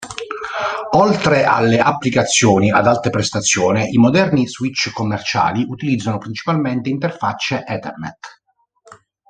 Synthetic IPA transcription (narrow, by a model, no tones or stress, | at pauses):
ɔlt̪ɾeʔa̰lːeʔapːlikat̪sːjɔːnia̰d̪alt̪epɾest̪at̪sːjɔːneʔimod̪ɛrniswit͡ʃːkomːert͡ʃa̰ːliʔut̪ilid̪zːanopɾint͡ʃi̥palment̪eint̪erfat͡ʃːeʔɛt̪ɛ̰rnɛ̰t̪